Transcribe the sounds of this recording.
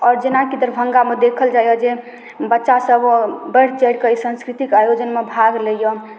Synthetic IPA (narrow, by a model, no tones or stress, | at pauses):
ɔːɾd͡ʒenakid̪əɾbʱəŋɡamed̪ekʰəld͡ʒajɔd͡ʒe | bətːʃasəbbəɽ̤t͡ʃɛɽkəisə̃nskɾit̪ikajod͡ʒənmebʱaɡləjɔ